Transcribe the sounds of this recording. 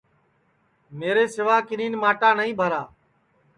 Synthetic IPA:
meːɾeːsɪʋaːkɪniːnmaːʈaːnəɦĩːbʱəɾaː

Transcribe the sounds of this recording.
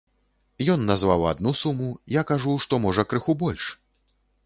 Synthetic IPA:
jɔnːazvawa̰d̪nusumujakaʐuʂt̪ɔmɔʐɐkɾɨxubɔlʲʂ

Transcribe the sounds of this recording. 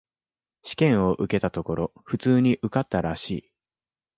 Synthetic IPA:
ɕi̥kẽ̞ɰ̃o̞ʔɯ̟ke̞t̪at̪o̞ko̞ɾo̞ɸɯ̟t͡sɨːɲ̟iʔɯ̟kat̪ːaɾaɕiː

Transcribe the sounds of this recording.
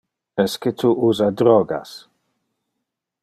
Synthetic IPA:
ɛsketʰuʔuːzadɾɔɡa̰s

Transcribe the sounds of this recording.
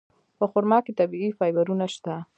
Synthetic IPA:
pəxʊɾmɑket̪abiifɑjbaɾunaʃt̪a

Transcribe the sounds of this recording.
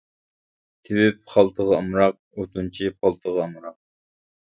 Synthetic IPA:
t̪ʰɪwɪp̚χɑlˠt̪ʰəʁɑɑmɾɑq̚ | ot̪ʰunt͡ʃʰipʰɑlˠt̪ʰəʁɑɑmɾɑq̚

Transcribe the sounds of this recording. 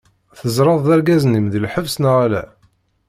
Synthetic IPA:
θəzɾˤɑðˤðæɾɡæznimðəlħəvsnəʁalæ̰

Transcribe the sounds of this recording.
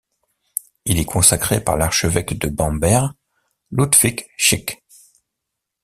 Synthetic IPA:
ilɛkʰɔ̃sakχepa̰ʁlaʁʃəvɛkd̪əbɑ̃bɛʁ | lud̪fikʃik

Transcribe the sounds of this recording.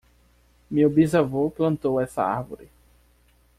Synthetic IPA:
mewbizavoplɐ̃nt̪owɛsɐ̰a̰ɾvo̰ɾɪ

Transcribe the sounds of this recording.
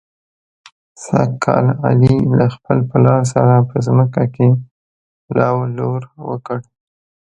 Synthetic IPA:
sakʰːɑ̰la̰lilaxpəlpalɑɾs̬aɾapəzməkake | lɑwloɾwə̰kəɽ

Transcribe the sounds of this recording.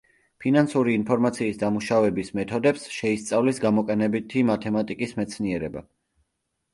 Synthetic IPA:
pʰinansuɾiːnpʰɔɾmat̪sʰiːsd̪amuʃavɛbismɛt̪ʰɔd̪ɛpsʃɛist̪sʼavlisɡamɔkʼɛnɛbit̪ʰimat̪ʰɛmat̪ʼikʼismɛt̪sʰniɛɾɛba̰

